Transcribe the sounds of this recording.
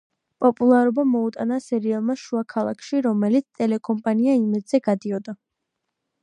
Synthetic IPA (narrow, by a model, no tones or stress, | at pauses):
pʼɔpʼulˠaɾɔbamɔut̪ʼanasɛɾialˠmaʃuakʰalˠa̰kʰʃiɾɔmɛlit̪sʰt̪ʼɛlɛkʼɔmpʼaniaimɛd̪z̥ɛɡad̪iɔd̪a